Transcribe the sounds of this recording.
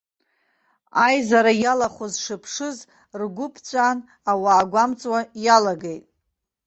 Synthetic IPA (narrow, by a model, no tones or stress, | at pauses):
ajzaɾajalaχʷozʂɨpʰʂɨz | rɡʷʊpʰt͡sʷʼaːn | awaːɡʷamt͡sʼwajalaɡejtʼ